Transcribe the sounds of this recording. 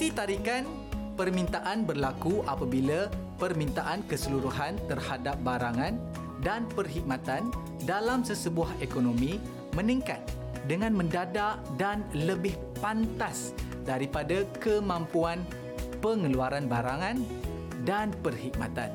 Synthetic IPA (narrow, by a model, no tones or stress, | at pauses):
sit̪aɾikan | pərmĩnt̪aʔanbərlakuʔapabila | pərmĩnt̪aʔankəsəluɾuɦant̪ərhadap̚baɾaŋãn | danpərɦik̚mat̪an | dalamsəsəbuahekonomĩ | mə̃nĩŋkat̪̚ | dəŋãnmə̃ndadaʔdanləbɪh | pant̪as | daɾipadakəmãmpuan | pəŋəluaɾanbaɾaŋãn | danpərhik̚ma̰t̪a̰n